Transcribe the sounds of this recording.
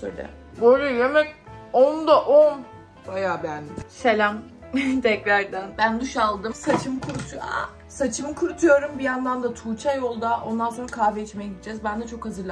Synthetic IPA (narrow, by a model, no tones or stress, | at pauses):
sod̪ɛ̰ | boɾujemɛcʲond̪aʔon | bajaːbænselʲam | t̪ʰɛcɾæɾd̪ænbænd̪uʃalˠd̪ɯmsat͡ʃʰɯmkʰuɾut̪ʰua̰ | sat͡ʃʰɯmkʰuɾut̪ʰujo̞ɾumbijand̪and̪at̪ʰuːt͡ʃʰajo̞lˠd̪aʔo̞nd̪anso̞nɾakʰaːveet͡ʃʰimejɛɟid̪id͡ʒɛzbænd̪ɛt͡ʃʰo̞khazɯɾlˠa